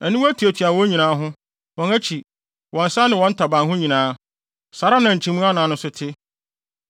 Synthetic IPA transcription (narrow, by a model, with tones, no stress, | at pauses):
æ˨nĩ˦æ˦tʰu˨æ˨tʰɥa˨ɔ̃˦ɲĩ˨nãː˨˦ɦʊ̃˦ | wɔ̃˨næ˦t͡ɕʰi˨ | wɔ̃˨n̩˨sa˦nɪ̃˨wɔ̃˦n̩˦tʰa˨bã˨nhʊ̃˦ɲĩ˨nãː˦ | sa˨ɾa˦nã˨ɲ̩˨t͡ɕʰĩ˦mũ˦a˦nãː˨nʊ̃˦sʊ˦tʰɪ˦